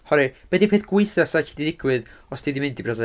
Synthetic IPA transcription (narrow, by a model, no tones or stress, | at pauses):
hɔɾɨbɛdipʰeːθɡ̥wɪjθasaɬidiðɪɡwɨðɔstʰiːdimɪndibrasɛ